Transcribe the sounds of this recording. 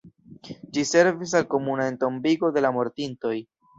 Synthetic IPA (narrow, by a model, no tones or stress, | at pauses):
d͡ʒise̞ɾvis̬alko̞munae̞nto̞mbiɡo̞de̞lamo̞ɾtinto̞j